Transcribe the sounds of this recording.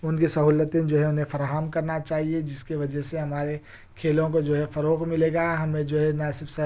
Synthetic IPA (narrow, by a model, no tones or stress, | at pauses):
ʊnkisɐɦuːlət̪ẽd͡ʒoːɦɛ̃ʊnɦẽfɐɾaːɦamkɐɾnat͡ʃaːɦied͡ʒɪskiʋɐd͡ʒɛɦseɦɐmaːɾe | kʰeːlõkod͡ʒoːɦɛfɐɾoːqmɪleːɡaɦɐmẽd͡ʒoːɦɛnaːsɪfsɐ